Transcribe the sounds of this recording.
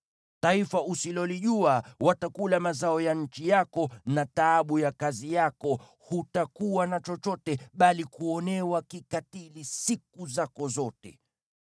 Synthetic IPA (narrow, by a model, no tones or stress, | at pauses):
taifaʔusilɔliʄuawatakulamazaɔjaɲ̩t͡ʃijakɔnataɓujakazijakɔ | hutakuwanat͡ʃɔt͡ʃɔtɛɓalikuɔnɛwakikatilisik̚uzakɔzɔtɛ̰